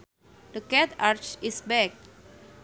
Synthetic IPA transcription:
d̪̥əkɛt̪aɾt͡ʃisbɛk̚

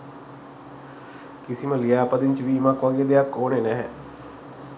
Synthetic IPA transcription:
kisiməlijaːpəd̪iɲt͡ʃəʋiːmakʋaɡejəd̪ejakːoːnenɛɦɛ

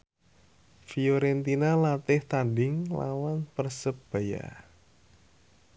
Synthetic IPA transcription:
fioɾɛnt̪inalat̪ɪht̪andɪŋla̰wanpərsəp̚b̥a̤ja̰

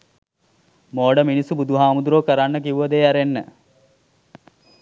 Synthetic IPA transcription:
moːɖəminisubud̪uɦaːmud̪uɾoːkəɾanːəkiʋuʋəd̪eaɾenːə̰

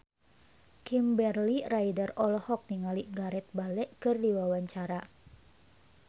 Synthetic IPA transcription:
kimbɛrlirajdarɔlɔhɔk̚niŋaliʔɡaɾɛt̪̚balɛʔkɨrdiwawaɲt͡ʃaɾa

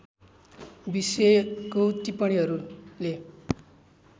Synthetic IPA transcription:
bisekot̪ipʌɽ̃iɦʌɾule

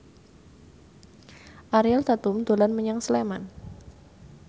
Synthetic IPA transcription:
ʔaɾialt̪at̪umd̪̥o̤lanməɲaŋsleman

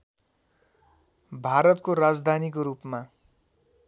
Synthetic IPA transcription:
bʱaɾʌt̪̚koɾad͡zd̪ʱanikoɾupma

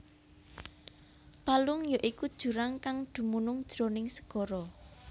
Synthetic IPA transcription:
palʊŋjɔʔikud̥ʒ̥ṳɾaŋkaŋd̪̥ṳmunʊŋd̥ʒ̥ɾonɪŋsə̥ɡ̥ɔ̤ɾɔ

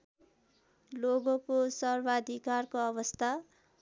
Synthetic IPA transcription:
loɡokosʌrbʱad̪ʱikarkoʌbʌst̪ʰa

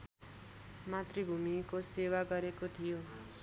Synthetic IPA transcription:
mat̪ribʱumikosewaɡʌɾekot̪ʰijo

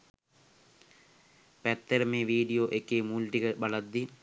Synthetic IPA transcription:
pɐt̪ːɐɾɐmeʋiːɖijoːʔekːemuːlʈiɣɐbɐɭɐd̪ːi

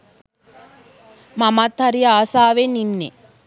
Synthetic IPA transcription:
mɐmat̪hɐɾijɐaːsaːʋeninːḛ

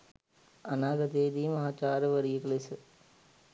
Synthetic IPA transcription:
ɐnaːɡɐd̪eːd̪iːmɐɦaːt͡ʃaːɾɐʋɐɾijɐkɭesɨ

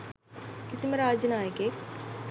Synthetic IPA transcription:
kɪsimeɾaːd͡ʒnaːeke

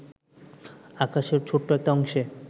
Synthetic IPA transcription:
akaʃeɾt͡ɕʰoʈːoɛk̚ʈaɔŋʃe

